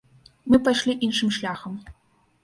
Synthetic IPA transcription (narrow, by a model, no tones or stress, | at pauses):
mɨpaʃlʲiʔinʂɨmʃlʲaxəm